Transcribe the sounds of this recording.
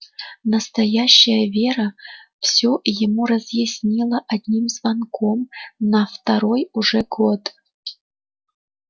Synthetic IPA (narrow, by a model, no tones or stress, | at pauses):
nəst̪ɐjaɕːɐjəvʲeɾəfsʲojɪmurɐzjɪsʲnʲilˠəʔad̪ʲnʲimzvankʰomnɐft̪aɾo̞juʐɛɡot̪